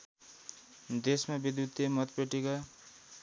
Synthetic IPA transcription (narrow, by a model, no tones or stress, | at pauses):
d̪esmabid̪jut̪ːemʌt̪peʈika